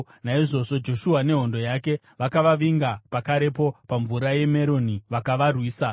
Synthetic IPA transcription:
naiʐo̞ʐo̞d͡ʒo̞ʃuɦane̞ɦo̞ndo̞jake̞ | ʋakaʋaʋiŋɡapakaɾe̞po̞paɱvuɾaje̞me̞ɾoniʋakaʋarwiːsa

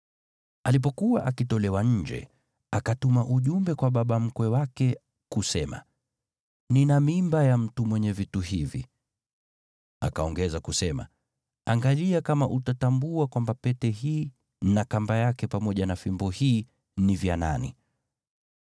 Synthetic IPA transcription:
alip̬ɔkuwaʔakitɔlɛwaɲ̩d͡ʒɛ̰ | akatumaʔuʄumbɛkwaɓaɓam̩kwɛwakɛ | kusɛma̰ | ninamimbajam̩tumwɛɲɛvituɦivḭ | a̰kaɔŋɡɛzakusɛma̰ | aŋɡaliakamaʔutatambuakwambapɛtɛhiː | nakambajakɛpamɔʄanafimbɔhiː | nivjana̰nḭ

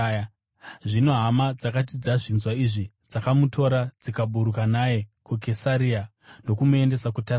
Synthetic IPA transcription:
ʐino̞ɦamad͡zakatid͡zaʐinzwaiʐi | d͡zakamutʰo̞ɾad͡zikaɓuɾukanaje̞kukesaɾia | no̞kumue̞nde̞sakuta

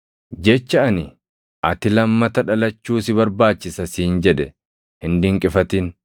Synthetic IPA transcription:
d͡ʒɛt͡ʃːɐʔɐnɪ | ʔɐt̪ɪlɐmːɐt̪ɐᶑɐlɐt͡ʃːuːsɪβɐɾbaːt͡ʃːɪsɐsiːnd͡ʒɛᶑɛ | hɪnd̪ɪŋkʼɪfɐt̪ɪn

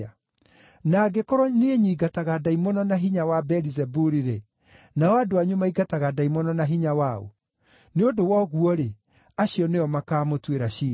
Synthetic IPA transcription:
a | naɡekɔɾɔneeɲiːɡataɣadaimonɔnaɦiɲawabɛɾizɛbuɾiɾe | naɔadoaɲomaiɡataɣadaimɔnɔnaɦiɲawao̰ | neodowɔɣuɔɾe | aɕiɔneɔmakaːmotweɾaʃiː

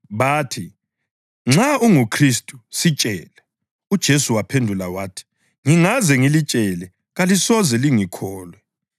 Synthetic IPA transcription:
βaːtʰi | ŋ͡ǁauŋukʰristʼu̥sit͡ʃʼɛːlɛ | ud̥ʒ̥ʱesuwapʰendʱulawaːtʰi̥ | ŋiŋazɛŋilit͡ʃʼɛlɛ | ɣalisɔzɛliŋikʰɔːlwɛ

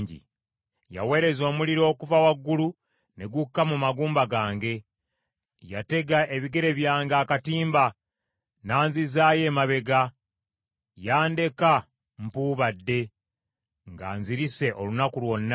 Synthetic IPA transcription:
ɲɟḭ | ja̰we̞ːɾe̞zo̞ːmuliɾo̞ːkuvawaɡːulu | ne̞ɡukːamumaɡuːmbaɡaːŋɡe̞ | jate̞ɡaʔe̞βiɡe̞ɾe̞βjaːŋɡaːkatiːmba | naːnzizaːje̞maβe̞ɡa | jaːnde̞ka | m̩puːβadːe̞ | ŋɡa̰ːnziɾise̞ʔo̞lunakulwo̞nːa

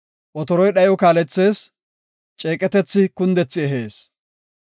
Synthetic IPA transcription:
ʔɔt̪ɔɾɔjɗɐjɔkaːlɛt͡sːe̞ːs | t͡ʃʼeːkʼːɛt̪ɛt͡sːɪkʊnd̪ɛt͡sːɪɛɦe̞ːs

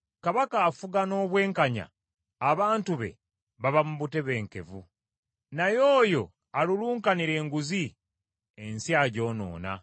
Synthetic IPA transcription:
kaβakaːfuɡano̞ːβwe̞ːŋkaɲa̰ː | βaːntuβe̞̰ | βaβamuβute̞βe̞ːŋke̞vu | najo̞ːjo̞̰ | aluluːŋkaniɾe̞ːŋɡuzi | ensjaːɟo̞ːno̞̰ːna̰

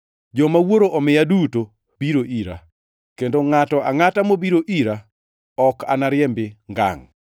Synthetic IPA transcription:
d͡ʒɔmawoɾoʔɔmɪjaduto | b̥iɾoʔiɾa̰ | kendoŋatɔʔaŋatamobiɾoʔiɾa | ɔka̰naɾɪjɛmbɪŋɡa̰ŋ

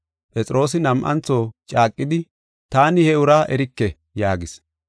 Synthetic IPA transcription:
pʼɛt͡sʼɪɾo̞ːs̬ɪnɐmʔɐ̰nt͡sːo̞ːt͡ʃʼaːkʼːɪd̪ɪ | t̪aːnɪhɛʊɾaːʔɛɾɪkːɛ | jaːɡɪs

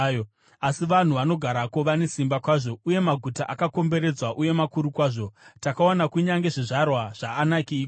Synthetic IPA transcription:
asiʋan̤uʋano̞ɡʱaɾakoʋane̞simbakwaːʐo̞uje̞maɡʱutaʔakako̞mbe̞ɾe̞d͡zwaʔuje̞makuɾukwaːʐo̞takaonakuɲaŋɡe̞ʐiʐarwaʐ̥aːnakiːk

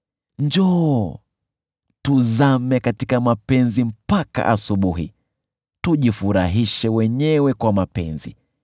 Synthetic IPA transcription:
ɲd͡ʒɔː | tuzamɛkatikamapɛnzim̩paka̰ʔa̰suɓuɦḭ | tuʄifuɾaɦiʃɛwɛɲɛwɛkwamapɛ̰nzḭ

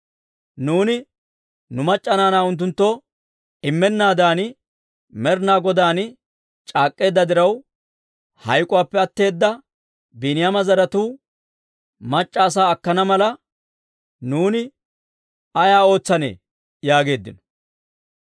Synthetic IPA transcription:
nuːnɪ | nʊmɐt͡ʃʼːɐnaːnaːʊnt̪̬ːʊnt̪ːɔ | ɪmːɛnːaːd̪aːnɪ | mɛɾnaːɡɔd̪aːn | t͡ʃʼaːkʼːe̞ːd̪ːɐd̪ɪɾɐw | hɐjkʼʊwaːpːɛɐt̪ːe̞ːd̪ːɐ | biːnɪjamɐzɐɾɐt̪uː | mɐt͡ʃʼːaːs̬aːɐkːɐnɐmɐlɐ | nuːnɪ | ɐjaːo̞ːt͡sːɐnḛː | jaːɡe̞ːd̪ːɪ̰nɔ̥

